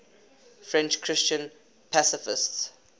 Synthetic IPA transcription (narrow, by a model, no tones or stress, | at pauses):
fɹɛ̃nt͡ʃkʰɹɪst͡ʃə̃n | pʰasɪfɪ̰sts